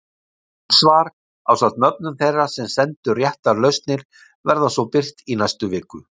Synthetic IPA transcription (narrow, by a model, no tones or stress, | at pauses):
svaːɾ | awsat̪nœp̚nʏmθejrːasɛmsɛnt̪ʏrjɛht̪alœɥst̪nɪɾ | vɛɾðasvɔwpɪr̥t̪inajst̪ʏvɪːkʏ